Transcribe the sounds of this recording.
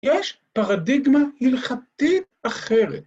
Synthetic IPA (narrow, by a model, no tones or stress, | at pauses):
jeʃ | paʁadiɡmahilχat̪it | aχeʁet̪̚